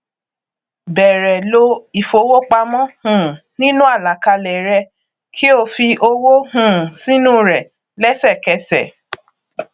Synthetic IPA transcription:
bɛ˨ɾɛ˨lo˧i˨fo˨˦wo˦k͡pa˧mɔ̃˦hũ˦˨ | nĩ˦nũ˦a˦˨la˨ka˧lɛ˨ɾɛ˧ | kʰi˦o˦˧fi˧ʔo˧wo˦hũ˦˨si˦nũ˦ɾɛ˨ | lɛ˦sɛ˦˨kɛ˧sɛ̰˨

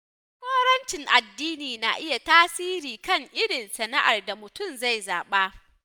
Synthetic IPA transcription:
kʷoː˦ɽɐ˦nt͡ʃɪ˨ŋʔa˨dːiː˦niː˨na˨ʔɪ˦ja˨taː˦siː˦ɾiː˨kɐ˦˨ŋʔɪ˦ɽɪ˨nsɐ˨na˦ʔa˨rda˨mʊ˨tʊ˦˨mza˦˨jzaː˨ɓa˦

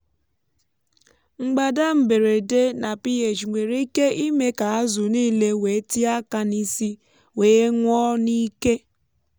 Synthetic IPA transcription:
ŋ͡m̩˨ɡ͡ba˨da˦m̩˨be˨ɾe˨de˦na˨pi˦e˨t͡ʃŋʷe˨ɾi˦ke˦i˦me˦ka˨a˦zʊ˨niː˦le˦we˨˦ti˦a˦ka˦ni˦si˦ | weː˨e˦ŋʷɔ˦ni˦ke˦

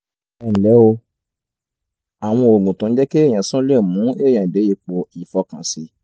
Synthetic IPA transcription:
ɛ˨lɛ˨˦o˧ | a˨w̃ɔ̃˧o˨ɡũ˨tã˨n̩˦d͡ʒɛ˦ke˦e˦˨j̃ã˨sã˦le˦˨mũ˨˦e˦˨j̃ã˨de˨˦e˧˦k͡po˧i˨fɔ˧kã˨si˨˦

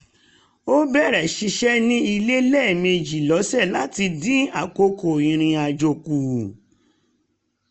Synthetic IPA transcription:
o˦bɛ˦˨ɾɛ˨ʃi˧ʃɛ˦nĩ˦i˧le˦lɛ˦˨me˧d͡ʒi˨lɔ˨˦sɛ˦˨la˨˦ti˧dĩ˦a˦˨ko˧ko˨ĩ˨ɾ̃ĩ˧a˨d͡ʒo˨ku˨

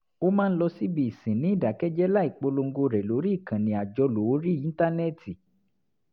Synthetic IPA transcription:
o˦mã˦n̩˦lɔ˧si˦bi˦i˨sĩ˨nĩ˨˦i˦˨da˨˦kɛ˦d͡ʒɛ˦la˦i˨k͡po˧lo˧ŋ̩˦ɡo˧ɾɛ˨lo˨˦ɾi˦i˦˨kã˨nĩ˨a˨d͡ʒɔ˧lo˨˦ɾi˦˨ĩ˦ta˦nɛ˦˨ti˨

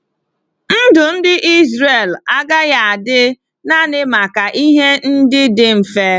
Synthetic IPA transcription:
n̩˦dʊ˨n̩˦dɪ˦ʔi˦zɾe˨la˦ɡa˦ɣa˦˨a˨dɪ˦ | na˦nɪ˦ma˨ka˨ʔi˦ɦe˦n̩˦dɪ˦dɪ˦m̩˨fe˦

